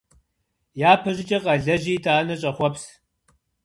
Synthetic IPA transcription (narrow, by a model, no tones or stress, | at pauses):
jaːpʰɐʑɪt͡ʃʼɐqʼɐɮɐʑiːtʰaːnɐɕʼɐχʷɔps